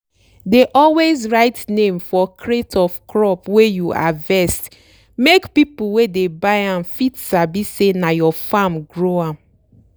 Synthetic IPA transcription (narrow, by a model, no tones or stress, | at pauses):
deʔɔlwezɹaɪtnẽmfɔkɹetʰɔfkɹɔpwejua̰vɛst | mekpip̩wedebaɪãmfitsabisenajɔfamɡɹoãm